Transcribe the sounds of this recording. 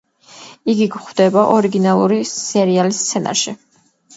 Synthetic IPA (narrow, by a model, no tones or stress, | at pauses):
iɡiɡχwd̪ɛbaʔɔɾiɡinalˠuɾisɛɾialist̪sʰɛna̰ɾʃi